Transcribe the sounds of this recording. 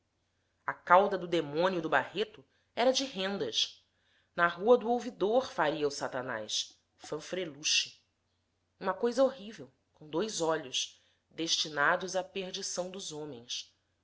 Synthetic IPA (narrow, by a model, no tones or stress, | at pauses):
ɐkawd̪ɐd̪ʊd̪emõniʊd̪ʊbahet̪ʊ | ɛɾɐd͡ʒɪɦẽnd̪ɐs | nɐɦuɐd̪ʊowvid̪oɾfaɾiɐʊsat̪ɐna̰js | fɐ̃fɾeluʃi̥ | ũmɐkojzɐoɦivew | kõw̃d̪ojzɔʎʊs | d̪eʃt͡ʃinad̪ʊzapeɾd͡ʒisɐ̃w̃d̪ʊzõmẽj̃s